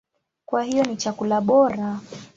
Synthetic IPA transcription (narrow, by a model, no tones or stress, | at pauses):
kwahijɔnit͡ʃakulaɓɔɾa